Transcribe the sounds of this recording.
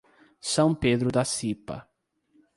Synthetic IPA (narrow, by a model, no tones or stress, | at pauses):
sɐ̃w̃ped̪ɾʊd̪asipɐ̰